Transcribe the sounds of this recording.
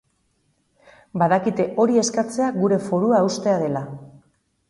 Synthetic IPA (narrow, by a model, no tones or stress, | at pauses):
baðakit̪e̞ʔo̞ɾie̞skat͡se̞aɡuɾe̞fo̞ɾuaust̪e̞að̞e̞la